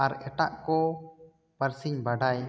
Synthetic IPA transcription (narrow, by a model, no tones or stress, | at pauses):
aɾɛʈaʔkɔ | pəɾsiɲbaɖaj